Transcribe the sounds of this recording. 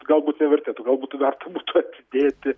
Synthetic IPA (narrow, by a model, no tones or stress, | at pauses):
ɡɐlˠbuːt̪nʲɛʋʲɛrʲt̪ʲeːt̪ʊɡɐlˠbuːt̪tʋʲɛrt̪ɐbuːt̪ʊɐt̪ʲɪd̪ʲeːt̪ʲɪ